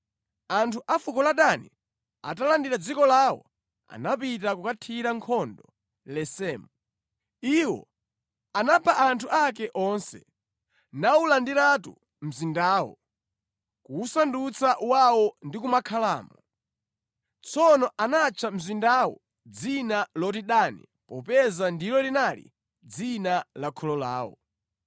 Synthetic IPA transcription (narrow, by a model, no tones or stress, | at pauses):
antʰuʔafukɔlaɗanḭ | a̰talandiɾad͡zikɔlawɔ̰ | a̰napitakukatʰiɾaŋkʰɔndɔ | lɛsɛːmu | iwɔ̰ | anapʰaʔantʰuʔakɛʔɔnsɛ | naulandiɾatu | m̩zindaːwɔ̰ | kuusandut͡saʔwawɔndik̬umakʰalaːmɔ | t͡sʰɔnɔʔanat͡ʃʰam̩zindawɔ̰ | d͡zinalɔt̬iɗanḭ | pɔpɛzandilɔlinalḭ | d͡zinalakʰɔlɔla̰ːwɔ̰